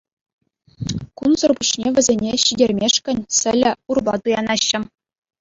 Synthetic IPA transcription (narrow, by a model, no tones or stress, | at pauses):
kunzɤ̆rbuɕnʲeʋʲɘ̆zʲenʲeɕidʲerʲmʲeʂkʲɘ̆nʲsʲɘ̆lʲɘ̆urbɑt̪ɯjɑnɑɕːɘ̆